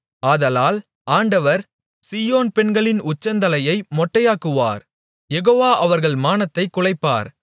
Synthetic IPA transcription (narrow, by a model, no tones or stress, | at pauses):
aːðɐlaːl | aːɳɖɐʋɐɾ | siːjoːnpɛɳɡɐɭɪnʊt͡ʃːɐnd̪ɐlɐjɐɪmɔʈːɐjaːkːɯʋa̰ːɾ | jɛɣoːʋaːʔɐʋɐɾɣɐɭmaːnɐt̪ːɐɪkːʊɭɐɪpːa̰ːɾ